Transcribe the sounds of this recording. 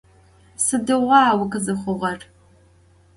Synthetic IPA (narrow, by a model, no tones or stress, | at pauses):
sɨdɨʁʷɑːwʊkɨzɨχʷʊʁɐr